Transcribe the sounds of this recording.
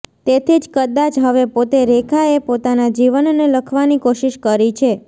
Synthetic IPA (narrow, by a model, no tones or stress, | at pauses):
t̪et̪ʰid͡ʒkəd̪ad͡ʒɦəʋepot̪eɾekʰaepot̪anad͡ʒiʋənːeləkʰʋanikoʃiʃkəɾit͡ʃʰe